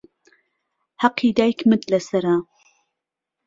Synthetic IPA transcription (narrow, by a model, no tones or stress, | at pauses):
haqiːd̪aːjkʰmɨt̪lɐsɐɾa